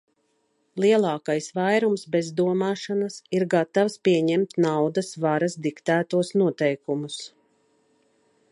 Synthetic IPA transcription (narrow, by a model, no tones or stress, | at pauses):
lˠiɛlˠɑːkajsvajɾumsbezd̪uɔmaːʃanasiɾɡat̪awspiɛɲɛmt̪nawd̪asvaɾasd̪ikt̪æːt̪uɔsnuɔt̪ɛjkumus